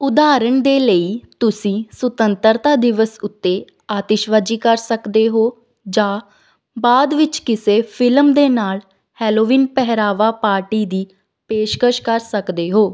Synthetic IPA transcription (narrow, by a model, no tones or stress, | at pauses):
ʊd̪aːɾəɳd̪eːləiːt̪ʊsĩːsət̪ənt̪əɾt̪aːd̪ɪʋəsʊt̪ːeː | aːt̪ɪʃʋad͡ʒiːkəɾsəkd̪eːɦoː | d͡ʒãː | baːd̪ʋɪt͡ʃkɪseːpʰɪlmd̪eːnaːl | hɛːloːʋiːnpɛɦɾaːʋaːpaːɾʈiːd̪iː | peːʃkəʃkəɾsəkd̪eːɦoː